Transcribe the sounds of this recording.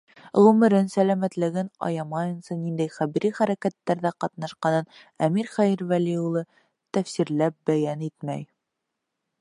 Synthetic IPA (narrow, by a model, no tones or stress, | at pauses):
ʁʉmɘ̆ɾɘnsælæmæt̪lɘ̆ɡɘnɑ̰jɑmɑjɤ̆nsɤnind̪æjχæβiɾiχæɾækæt̪ːæɾðæqɑt̪̚nɑʃqɑnɤnæmiɾχæjiɾvælʲiulˠɤ | t̪æfsiɾlæp̚bæjænit̪mæ̰j